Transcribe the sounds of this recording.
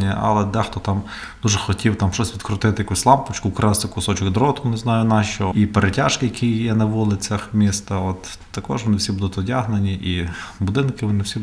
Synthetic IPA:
nʲiʔɐ̰lˠɛd̪ɛxt̪ɔt̪ɑm | d̪uʒɛxɔtʲiwt̪ɑmʃt͡ʃɔsʲʋʲid̪kɾʊt̪ɪt̪ɪjɐkusʲlˠɑmpʊt͡ʃkʊkɾɑsɪkʊsɔt͡ʃɪkd̪ɾɔt̪ʊnɪznɑjʊnɑʃt͡ʃɔipeɾetʲaʃkɪjɐkʲʰijjɛnɐʋulˠɪt͡sʲɐxmʲist̪ɐɔt̪ː | ɐkɔʒʋɔnɪwsʲibud̪ʊt̪ɔdʲaɦnenʲiʔibʊd̪ɪnkɪʋɔnɪwsʲi

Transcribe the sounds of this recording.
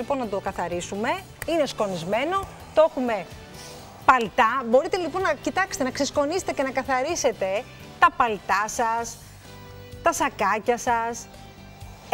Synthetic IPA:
ipo̞nːɐd̪okɐθɐɾisume̞ | inesko̞nizme̞no̞ | t̪oexume̞ | pɐlt̪ɐbo̞ɾit̪e̞lipo̞nːɐcit̪ɐkse̥t̪enɐksesko̞nise̥t̪ece̞nɐkɐθɐɾise̞t̪e̞ | t̪ɐpɐlt̪ɐsɐs | t̪ɐsɐkɐcɐsɐs

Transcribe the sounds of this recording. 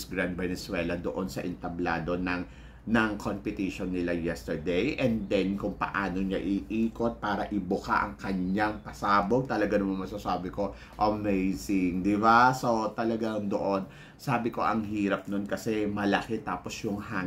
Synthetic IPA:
sɡɾand̪̚bɛnɛswɛːlɐd̪o̰ʔo̞nsɐʔɪnt̪ɐblaːd̪o̞nɐŋ | nɐŋkʰompɪt̪iʃonːɪlajɛst̪ɛɹd̪ɛjʔɛnd̪ɛnkʊŋpɐ̰ʔaːno̞ɲaʔɪʔiːko̞t̪̚paːɾɐʔɪbʊka̰ʔɐ̰ŋkɐɲːaŋpɐsaːboɡ̚t̪ɐlɐɡanɐmamɐsɐsaːbɪko̞ | ʔɐmejsɪŋd̪ɪbaso̞t̪ɐlɐɡand̪oʔo̞n | saːbɪko̞ʔɐŋɦiːɾɐp̚nonkɐsɛmɐlɐkɛt̪aːpo̞sjʊŋha

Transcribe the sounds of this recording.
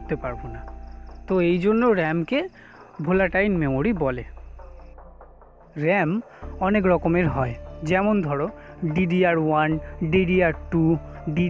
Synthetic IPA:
t̪epaɾbonat̪oejd͡ʑonːoɾɛmke | bʱolaʈajnmemoɾibɔle | ɾɛm | ɔnekɾɔkomeɾɦɔed͡ʑɛmond̪ʱɔɾoɖiɖiaɾwanɖiɖiaɾʈu | ɖi

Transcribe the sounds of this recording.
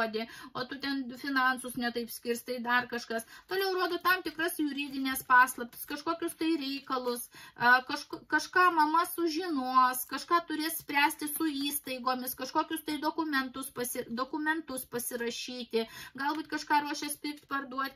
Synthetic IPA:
d̪ʲɪoːt̪ʊt̪ʲɛnfʲɪnɐnsʊsnʲɛt̪ɐɪpsʲkʲɪrst̪ɐɪd̪ɐrkɐʃkɐst̪oːlʲɛʊɾuɔd̪oːt̪ɐmt̪ʲɪkrɐsjʊɾʲiːd̪ʲɪnʲɛːspɑːslˠɐpʲtʲɪ̥skɐʃkoːkʲʊst̪ɐɪɾʲɛɪkɐlˠʊsɐkɐʃkkɐʃkɑːmɐmɐsʊʒʲɪnuɔskɐʃkɑːt̪ʊɾʲeːssʲpʲɾʲæːsʲt̪ʲɪsʊiːst̪ɐɪɡoːmʲɪskɐʃkoːkʲʊst̪ɐɪd̪oːkʊmʲɛnt̪ʊspɐsʲɪd̪oːkʊmʲɛnt̪ʊspɐsʲɪɾɐʃʲiːt̪ʲɪɡɐlˠbuːt̪kɐʃkɑːɾuɔʃʲɛspʲɪkt̪ʲpɐrd̪uɔt̪ʲ

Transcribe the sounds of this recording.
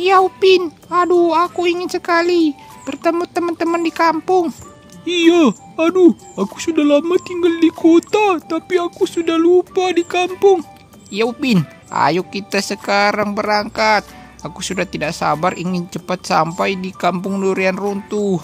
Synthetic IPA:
jaupɪn | aduakuiŋɪnsəkali | b̥ərt̪əmut̪əmənt̪əməndikampʊŋ | ija | adu | akusudahlamat̪iŋɡaldikʰot̪at̪apiakusudahlupadikampʊŋ | ijaupɪn | ʔa̰jʊkːit̪asəkaɾaŋbəɾaŋkat̪̚ | akusudaht̪idaʔsa̰bariŋɪnt͡ʃəpat̪̚sampajdikampʊŋnuɾianrunt̪uh

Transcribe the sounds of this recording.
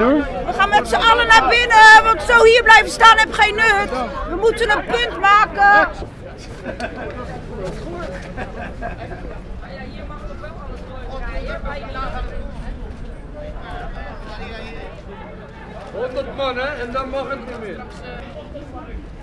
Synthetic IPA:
ʋəχaːnmɛtsəɑlənabɪnəʋɔntsowhiːəblɛjfəstaːnɛpχejnːøtʋəmutənənpøntmaːkə | hondətmɑnɛɛndɔnmɑχətnimɪ

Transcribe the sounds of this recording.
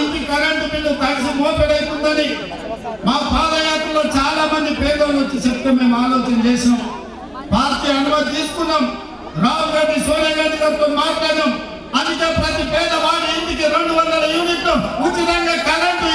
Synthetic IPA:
nk̪ikɐɾɐɳʈupilːuk̪ɐlisimoːpɛɽɐjt̪und̪ɐni | maːpaːd̪ɐjaːt̪ɾɐlo̞ːt͡ʃaːlaːmɐnd̪ipɛːd̪ɐlot͡ʃːit͡ʃɛpt̪ɐmːe̞ːmaːloːt͡ʃɐnɐt͡ʃeːʃinɐm | bʱaːɾt̪iɐnɐmɐd̪it̪iːsu̥kunːaːm | ɾaːmuɾɐɖːisoːnjɐɡɐd͡ʒɐkɐt̪oːmːaːʈlaːɾɐm | ɐnd̪it̪eːpɾɐt̪ipɛːd̪ɐʋaːɽiend̪ikiɾe̞ɳɖuʋɐnd̪ɐlɐjuːniʈ̪lout͡ʃːiɾɐŋɡaːkɐɾɐɳʈ

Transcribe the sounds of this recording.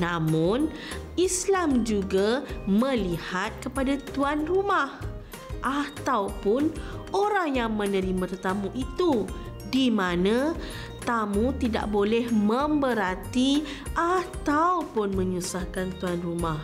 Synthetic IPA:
namʊn | islamd͡ʒuɡamə̃lihat̪̚kəpadat̪uanrumah | ʔat̪awpʊnoɾaŋjaŋmə̃nəɾimat̪t̪amũʔit̪u | dimãnã | t̪amũt̪ida̰ʔbolɛhmə̃mbəɾat̪i | ʔat̪awpʊnmə̃ɲusahkant̪uanrumah

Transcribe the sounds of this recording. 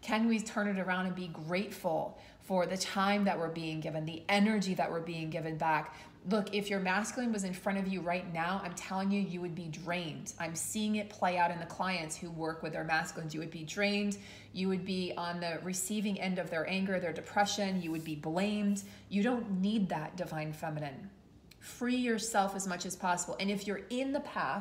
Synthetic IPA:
kʰɛ̃nwiz̥tʰɜ̃˞ɾnɨɾə˞ãʊ̃ndɨ̃nbiɡɹeɪtfl̩ˠ | fə˞ðɨtʰãɪ̃mðɨʔ̚wə˞biɪ̃ŋɡɪvɨ̃nðiʔɛnə˞d͡ʒiðɨ̰ʔwə˞biɪ̃ŋɡɪvɨ̃nbæk | lʊkɪfjə˞mæskjl̩ˠɪ̃ŋwʌzɨ̃nfɹʌ̃ɾ̃ʌvjɨɹaɪtⁿnaʊã̰ɪ̃mtʰɛlˠɪ̃ŋjʉjɨwɨd̚bidɹẽɪ̃nd̥ãɪ̃msiɪ̃ŋɨt̚pʰl̥eɪaʊɾɨ̃nðɨkʰl̥aɪɨ̃ntshuwɜ˞kwɨðə˞mæskl̩ˠɪ̃ŋzjɨwɨd̚bidɹẽɪ̃nd | jɨwɨd̚biə̃nðɨɹɨsivɪ̃ŋɛ̃ndʌvðə˞ʔæ̃ŋɡə˞ðə˞dɨpʰɹ̥ɛʃɨ̃njɨwɨd̚biblẽɪ̃md | jɨɾõʊ̃nːid̪̚ðət̚d̥ɨvãɪ̃nfɛmɨnɨ̃n | fɹijə˞sɛlˠfɨzmʌt͡ʃɨz̥pʰɑsəbl̩ˠʔɨ̃nɨfjə˞ɪ̃nðəpʰæ

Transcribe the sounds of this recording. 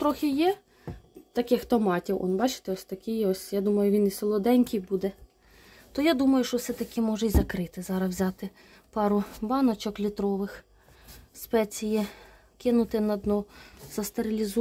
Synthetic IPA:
t̪ɾɔxʲɪjɛ | t̪ɐkɪxt̪ɔmɑtʲiwʔɔ̰nbɑt͡ʃɪ̥t̪ɪɔsʲt̪ɐkʲɪjɔsʲjad̪umɐjʊʋʲiniselˠɔd̪ɛnʲkʲijbud̪ɛ | t̪ɔjad̪umɐjʊʃt͡ʃɔwsɛt̪ɐkɪmɔʒɐizɐkɾɪt̪ɪzɑɾɐswzʲɑt̪ɪ | pɑɾʊbɑnɔt͡ʃɔklʲit̪ɾɔʋɪx | spɛt͡sʲiji | kɪnʊt̪ɪnɐd̪nɔz̥ɐst̪eɾʲɪlʲizu

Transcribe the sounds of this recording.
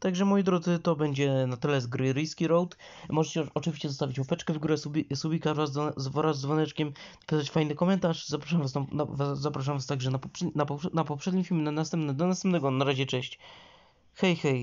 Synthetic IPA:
t̪aɡʐɛmɔjd̪ɾɔd̪zɘt̪ɔbɛɲd͡ʑɛnat̪ɪlɛzɡɾɛɾɘjskʲiɾɔwt̪mɔʐɛt͡ɕɛɔt͡ʂɨvʲiɕt͡ɕɛzɔst̪avʲit͡ɕpɔpɛt͡ʂkɛvɡuɾɛsubʲisubʲikaɾvazvɔzvɔɾazd̪vɔnɛt͡ʂkʲɛm | pʲisat͡ɕfajnɘkɔmɛnt̪aʂzapɾaʂamvasanavazapɾaʂ̬amvast̪aɡʐɛnapɔpʂɛnapɔnapɔpʂɛd̪ɲimfʲilmʲnanast̪ɛmpnɛd̪ɔnasɛmpnɛɡɔnaɾaʑɛt͡ʂɛɕt͡ɕ | xɛjxɛj

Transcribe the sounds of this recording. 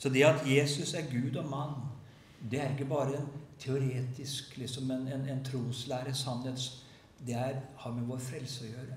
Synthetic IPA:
sɔd̪ɛɑt̪jeːsɵsæɾɡʉːd̪ɔmɑnː | d̪ɛæɾɪkːəbɑːɾəɛnt̪ʰɛʊɾeːt̪ɪsklɪksɔmɛnɛnɛnt̪ʰɾuːslæːɾəsɑnheːt̪s | d̪ɛæɾhɑɾmɛʋoːɾfɾɛlsəɔjøːɾə

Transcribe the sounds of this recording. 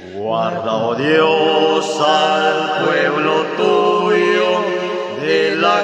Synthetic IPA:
ɡwaɾðaoðjosalpweβlot̪ujo | ðela

